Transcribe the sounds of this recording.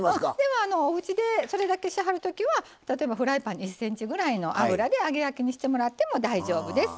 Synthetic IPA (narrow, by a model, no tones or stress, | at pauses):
d̪e̞moano̞ːɯ̟t͡ɕid̪e̞so̞ɾe̞d̪ake̞ɕiɦaɾɯ̟t̪o̞kʲiβa | t̪at̪o̞e̞baɸɯ̟ɾaipãɲisːẽ̞ɲ̟t͡ɕiɡɯ̟ɾaino̞ʔa̰ɯ̟ɾad̪e̞aɡe̞jakʲiɲ̟iɕi̥t̪e̞mo̞ɾat̪ːe̞mo̞d̪aiʑo̞ːbɯ̟d̪e̞sɨ̥